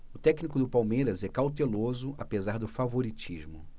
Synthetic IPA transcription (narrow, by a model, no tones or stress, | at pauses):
ʊt̪ɛknikʊd̪ʊpawmeɾɐzɛkawt̪elozʊʔapezaɾd̪ʊfavoɾit͡ʃiʒmʊ